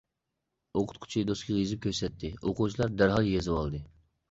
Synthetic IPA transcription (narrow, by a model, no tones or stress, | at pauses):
oqʰʊ̥t̪̚qʰʊ̥t͡ʃʰijd̪oskʲʰiʁizɪp̚kʲøsɛt̪ʰːɪoqut͡ʃʰilˠɑɾd̪æɾɦɑlˠjezɨwɑlˠd̪ɨ